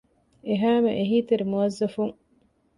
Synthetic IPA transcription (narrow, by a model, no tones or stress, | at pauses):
eɦæːmeʔeɦiːt̪eɾimuɐzːɐfuŋ